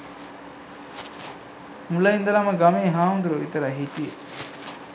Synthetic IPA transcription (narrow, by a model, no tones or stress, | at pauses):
mulɐind̪ɐlamɐɡameːɦaːmnd̪uɾoit̪ɐɾaɦit̪ije